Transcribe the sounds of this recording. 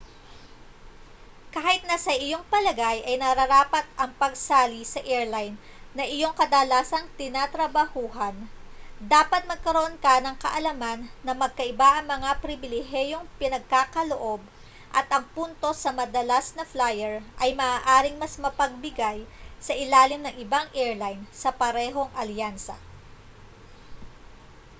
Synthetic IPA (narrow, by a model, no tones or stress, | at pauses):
kaːhɪt̪̚nɐsɐʔɪjo̞ŋpɐlɐɡajʔɐjnɐɾɐɾaːpɐt̪̚ʔɐŋpɐɡ̚saːlisɐʔɛɹlajnː | ɐʔɪjo̞ŋkɐd̪ɐlaːsɐŋt̪ɪnaːt̪ɾɐbɐhuːɦɐnd̪aːpɐt̪̚mɐɡ̚kɐɾoʔo̞nkɐnɐŋkɐ̰ʔɐlɐmanːɐmɐɡ̚kɐʔɪbaʔɐŋmɐŋapɾɪbɪlɪɦɛjo̞ŋpɪnɐɡ̚kaːkɐloʔo̞b̚ | ʔɐt̪ʔɐŋpunt̪o̞sɐmɐd̪ɐlasnɐflajɛɹʔɐjmɐʔaːʔaːɾɪŋmɐsmɐpɐɡ̚bɪɡajsɐʔɪlaːlɪmnɐŋɪbaŋʔɛɹlajnsɐpɐɾɛːɦo̞ŋʔɐljansɐ̰